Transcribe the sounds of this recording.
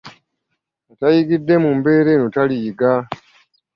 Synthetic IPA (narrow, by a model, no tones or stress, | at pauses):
atajiɡidːe̞mumbe̞ːɾe̞ːnutaliːɡa